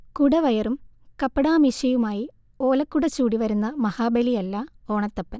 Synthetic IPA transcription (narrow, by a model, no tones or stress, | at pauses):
kuɽɐʋɐjɐrumkɐpːɐɽaːmiɕɐjumaːji | o̞ːlɐkːuɽɐt͡ɕːuːɽiʋɐɾunːɐmɐhaːbɐlijɐlːɐo̞ːɳɐt̪ːɐpːɐn